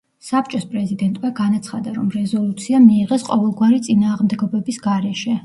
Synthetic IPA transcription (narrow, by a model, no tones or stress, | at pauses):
sap̚t͡ʃʼɔspʼɾɛzid̪ɛnt̪ʼmaɡanat̪sʰχad̪aɾɔmɾɛzɔlˠut̪sʰiamiːʁɛsqʼɔvɛlˠɡwaɾit̪sʼinaːʁmd̪ɛɡɔbɛbisɡaɾɛʃɛ